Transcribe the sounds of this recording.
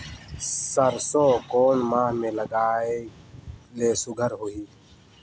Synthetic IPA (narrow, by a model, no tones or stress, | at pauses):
səɾsoːkoːnmãːɦmẽːləɡaːe | leːsʊɡʱəɾɦʊiː